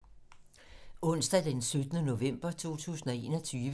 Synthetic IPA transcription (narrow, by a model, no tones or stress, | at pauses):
ɔ̽n̰sd̥æd̥ensød̥ənəno̝ʋem̰b̥ɐt͡sʰo̝̰ːt͡sʰṵːsn̩ɒ̽e̝̰ːnɒt͡sʰyːʋ